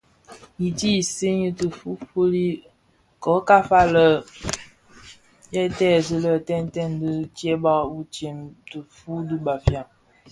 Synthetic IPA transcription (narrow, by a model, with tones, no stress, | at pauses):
ji˨ti˦˨se˦ɲə˦tə˨fu˦fu˦li˦ | kɔ˨˦ka˦fa˦lə˦˨ | jɛ˦tɛ˦˨zə˦lə˦˨tɛ˦n˦tɛ˦˨ndə˦tjɛ˦ba˦wu˦t͡ʃe˨mtə˨fu˦du˦ba˨fja˦˨